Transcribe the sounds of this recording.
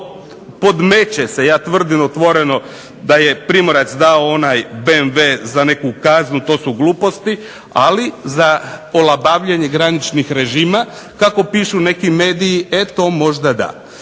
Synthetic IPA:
po̞d̪me̞t͡ɕese̞jaːt̪ʋr̩d̪inot̪ʋo̞ɾe̞no̞ | d̪aje̞pɾimo̞ɾat̪sd̪aoonajbenʋezane̞kukaznut̪o̞ːsuɡluːpo̞st̪i | a̰lizaolˠabaːʋʎeɲe̞ɡɾanit͡ʃnixɾe̞ʒiːma | kako̞piʃune̞kime̞ːd̪ijiet̪o̞mo̞ʒd̪ad̪a̰

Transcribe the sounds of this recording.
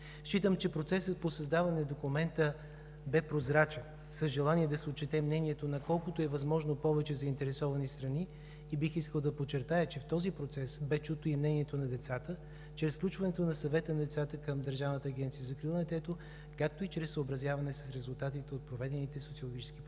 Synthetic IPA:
ʃit̪əmt͡ʃɛpɾot̪sɛsət̪̚posɐzd̪avɐnɛd̪okumɛnt̪ə | bɛpɾozɾat͡ʃɛn | səzʒɛlˠaniɛd̪ɐsɛot̚t͡ʃːɛt̪ɛmnɛniɛt̪onɐkɔlˠkot̪oɛvɐzmɔʒnopɔvɛt͡ʃɛzɐint̪ɛɾɛsɔvɐnist̪ɾɐniː | bixiskəlˠd̪ɐpot͡ʃːɛɾt̪ajət͡ʃɛft̪ɔzipɾot̪sɛsbɛt͡ʃut̪oimnɛniɛt̪onɐd̪ɛt̪sat̪ə | t͡ʃɾɛsfklʲut͡ʃvɐnɛt̪onɐsɐvɛt̪ənɐd̪ɛt̪sat̪əkəmd̪əɾʒavnət̪əːɡʲɛnt̪sijəzɐkɾilˠnɛt̪ɛt̪o | kak̚t̪oit͡ʃɾɛsːəobɾɐzʲjavɐnɛsəsɾɛzʊlˠt̪at̪it̪ɛot̪̚pɾovɛd̪ɛnit̪ɛsot̪siolˠoɡʲit͡ʃɛ̥skip

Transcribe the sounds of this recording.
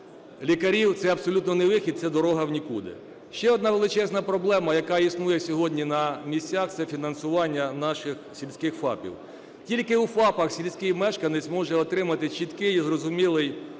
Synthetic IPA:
lʲikɐɾʲiwt̪sɛɐbsɔlʲut̪nɔnɛʋɪxʲid̪̚sɛd̪ɔɾɔɦɐwnʲikud̪ɪ̰ | ʃt͡ʃɛɔd̪̚nɑʋelˠɪt͡ʃɛznɐpɾɔblˠɛmɐjɐkɑisnujɛsʲɔɦɔdʲnʲinɐmʲisʲt͡sʲaxt̪sɛfʲinɐnsʊʋɑnʲːɐnɑʃɪxsʲilʲsʲkɪxfɑ̰pʲḭw | tʲilʲkɪufɑpɐxsʲilʲsʲkɪjmɛʃkɐnɪt͡sʲmɔʒɛɔt̪ɾɪmɐt̪ɪt͡ʃit̪kɪjzrɔzʊmʲilˠɪj

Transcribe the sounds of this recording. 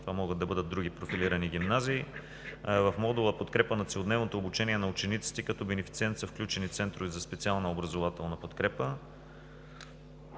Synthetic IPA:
t̪ovamɔɡətd̪ɐbɤd̪ət̪̚d̪ɾuɡʲipɾofiliɾəniɡ̟ʲimnaziː | vɐfmɔd̪ulˠəpot̪kɾɛpənɐt̪sɛod̪nɛvnot̪oːbut͡ʃɛniɛnɐut͡ʃɛnit̪si̥t̪ɛkɐt̪ɔbɛnɛfit̪siɛnt̪sɐfklʲut͡ʃɛnit̪sɛnt̪ɾʊvizɐspɛt̪sialˠnɐobɾɐzovat̪ɛlˠnɐpot̪kɾɛpə

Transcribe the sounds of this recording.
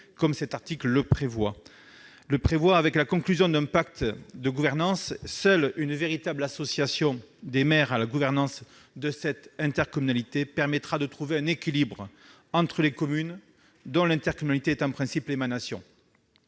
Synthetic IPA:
kɔmsɛt̪aʁt̪iklːəpχevwa | ləpχevwaːvɛklakɔ̃klyzjɔ̃d̪ɛ̃pak̚t̪d̪əɡuvɛʁnɑ̃sːœlynveʁit̪ablasɔsjasjɔ̃d̪emɛʁalaɡuvɛʁnɑ̃s | d̪əsɛt̪ɛ̃t̪ɛʁkɔmynalit̪epɛʁmɛt̪χad̪ət̪χuveɛ̃nekʲilibʁ | ɑ̃t̪χəlekɔmyn | d̪ɔ̃lɛ̃t̪ɛʁkɔmynalit̪eɛt̪ɑ̃pχɛ̃siplemanasjɔ̃

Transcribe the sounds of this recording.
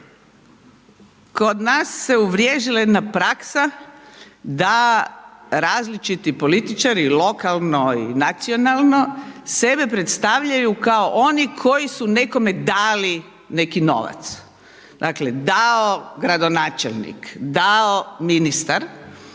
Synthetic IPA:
ko̞d̪nasːe̞uʋɾjeːʒilajed̪napɾaksa | d̪a | ɾaːzlit͡ʃit̪ipo̞lit̪it͡ʃaɾilo̞kalno̞ḭnat̪sio̞nalˠno̞se̞be̞pɾet̪st̪aʋʎajukaoʔo̞nikʰo̞jisune̞ko̞me̞d̪aːli | ne̞kino̞̰ʋa̰t̪s | d̪akle̞d̪aoɡɾad̪o̞naːt͡ʃḛlˠnḭkd̪aominist̪aɾ

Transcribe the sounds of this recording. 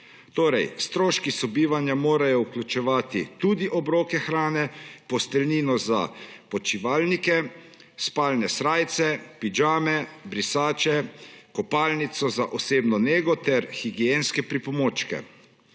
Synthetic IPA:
t̪oːɾɛjst̪ɾoːʃkisɔbiːʋanjamoːɾajɔuklʲut͡ʃɛʋaːt̪it̪uːd̪iʔɔbɾoːkɛxɾaːnɛpɔst̪ɛlniːnɔza̰pɔt͡ʃiʋaːlnikɛ | spaːlnɛsɾaːjt̪sɛpid͡ʒaːmɛbɾisaːt͡ʃɛkɔpaːlnit̪sɔzaʔɔseːbnɔneːɡɔt̪ɛɾxiɡienskɛpɾipɔmoːt͡ʃkɛ̰

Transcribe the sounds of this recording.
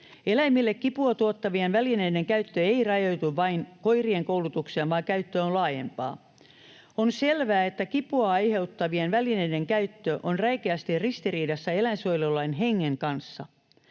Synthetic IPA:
elæimilːekkipuɑt̪uot̪ːɑʋienʋælineide̞ŋkæyt̪ːøeirɑjojt̪uʋʋɑinkoirieŋkoulut̪uksiɑʋɑːŋkæyt̪ːøonlɑːjḛmpɑ̰ː | onselʋæːet̪ːækipuɑɑjhe̞ut̪ːɑʋienʋælineideŋkæyt̪ːøʔonrɑikeæst̪irrist̪iriːdɑsːɑelænsojlolːɑinɦeŋːeŋkɑnsːɑ̰

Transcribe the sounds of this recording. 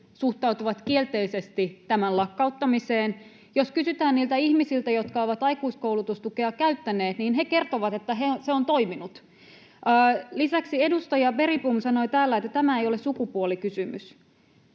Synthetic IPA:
suht̪ɑut̪uʋɑt̪kielt̪eisest̪it̪æmællɑkːɑut̪ːɑmiseːn | joskysyt̪æːnniːlt̪æihmisilt̪æjot̪kɑoʋɑt̪ɑikuiskowlut̪ust̪ukeɑkæyt̪ːæneːt̪niːnɦeke̞rt̪oʋɑt̪e̞t̪ːæɦeseont̪oiminut̪ | əːlisæksiedust̪ɑjɑʋe̞ripumsɑno̞it̪æːlːæet̪ːæt̪æmæejolessukupuolikysymys

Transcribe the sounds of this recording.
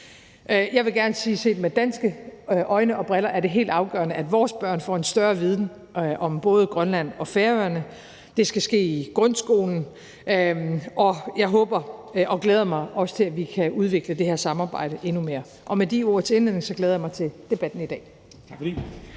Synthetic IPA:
ʔjɑ̈ɪʋe̝ɡ̥æɐnəsiːse̝̰ːd̥med̥æn̰sɡ̥əʔɒ̽ɪnəʔɒ̽b̥ʁɛlɐʔæɐɾe̝ɦe̝̰ːld̥ɑ̈ʊɡ̥ɶ̰ɐnəʔæd̥ʋɒːsb̥ɶɐ̰nfɒ̰ːe̝nsd̥ɶɐʋið̞ˠn̩ | ʔɒ̽mb̥ɔ̽ːð̞ˠəɡ̥ʁɶnlæn̰ɒ̽feːɐøɐnə | d̥e̝sɡ̥æsɡ̥e̝̰ːiɡ̥ʁɔnsɡ̥o̝̰ːln̩ | ʔɒ̽jɑ̈ɪɦɔ̽ːb̥ɐɒ̽ɡ̥leːð̞ˠɐmɑ̈ɪʔɒ̽sə̥t͡sʰe̝læʋikʰæuð̞ˠʋe̝ɡ̥ləd̥e̝heɐsɑ̈mɑ̈ːb̥ɑ̈ɪ̰ɾ̥əʔe̝nume̝ːɐ | ʔɒ̽med̥io̝ɐ̰t͡sʰe̝e̝nlene̝ŋsɒ̽ɡ̥leːðˠjɑmɑɪt͡sʰe̝d̥e̝b̥æd̥n̩id̥ɛ̰ː | t͡sʰfi

